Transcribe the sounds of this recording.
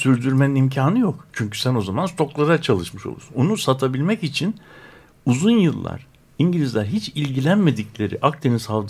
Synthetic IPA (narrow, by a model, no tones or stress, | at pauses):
syɾd̪yɾme̞ninimcʰaːnɯjokt͡ʃʰyɲcy̥sæno̞zamanst̪ʰo̞klˠaɾat͡ʃʰalˠɯʃmɯʃo̞̰lˠṵɾsunonusat̪ʰabilʲmɛcit͡ʃʰin | uzunjɯlˠːa̰ɾ̥ | iɲɟilʲizlʲæɾɦit͡ʃilʲɟilʲænme̞d̪iclʲe̞ɾḭʔakt̪ʰininsalˠd̪